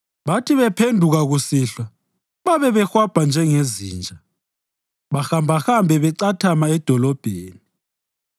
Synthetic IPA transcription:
βatʰiβɛpʰendʱuɣaɣusiɬwa | βaβɛβɛxwab̥ʱand͡ʒʱɛŋezḭːnd͡ʒʱa | βaxambʱaxambʱɛβɛǀatʰamaɛd̥ʱɔlɔb̥ʱeːni

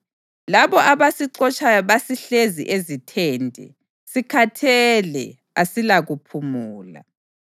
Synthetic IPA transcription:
laβɔʔaβasiǁɔt͡ʃʰʼajɔβasiɬezḭʔezitʰentʼɛ̰ | sikʰatʰɛlɛ̰ | asilaɣupʰumuːla̰

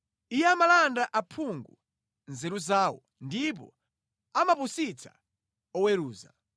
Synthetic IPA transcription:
ijɛamalandaʔapʰuŋɡu | nzɛɾuzaːwɔ̰ | ndip̬ɔ̰ | amapusit͡sʰḁ̰ | ɔweɾuːza̰

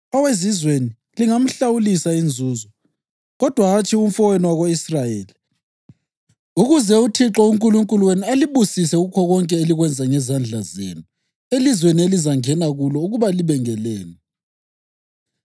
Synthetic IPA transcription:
ɔwezizweni | liŋam̩ɬawulisaind͡zʱuːzɔ | ɣɔd̥ʱwaːt͡ʃʰʼium̩fɔweniwaɣoisrajeːli | uɣuzɛutʰiǁɔuŋkʼuluŋkʼuluwenialiβusisɛuɣukʰɔɣɔŋkʼɛeliɣwɛnd͡zʱaŋɛzand͡ɮʱazḛːnu | elizwenielizaŋɛnaɣulɔuɣuβaliβɛŋɛlɛːnɛ

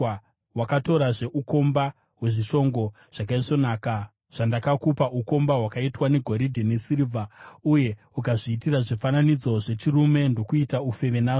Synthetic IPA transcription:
wakato̞ɾaʐe̞ʔuko̞mba | we̞ʐiʃo̞ŋɡo̞ | ʐ̥akaiʐo̞naːka | ʐ̥andakakupaʔuko̞mbaɦwakaitwane̞ɡʱoɾidʱenesirivauje̞ | ukaʐiːtiraʐifananid͡zo̞ʐe̞t͡ʃirume̞ndo̞kuitaufe̞ʋenaːʐ

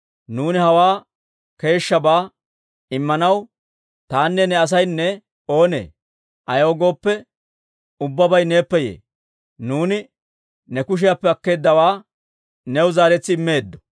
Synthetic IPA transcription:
nuːnɪhɐwaː | ke̞ːʃːɐbaː | ɪmːɐnɐw | t̪aːnːɛnɛɐs̬ɐjnːɛ | o̞ːne̞̰ː | ʔɐjo̞ːɡo̞ːpːɛ | ʊbːɐbɐjne̞ːpːɛjḛː | nuːnɪ | nɛkʊʃ̬ɪjapːɛɐkːe̞ːd̪ːɐwaː | nɛwzaːɾɛt͡sːɪɪmːe̞ːd̪ːɔ̥

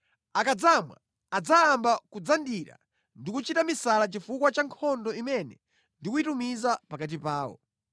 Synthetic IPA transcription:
akad͡zamwa̰ː | d͡zaːmbakud͡zandiɾa̰ | ndikut͡ʃitamisalat͡ʃifukwat͡ʃaŋkʰɔndɔimɛnɛ | ndikuitumizapakat̬ipaːwɔ̰

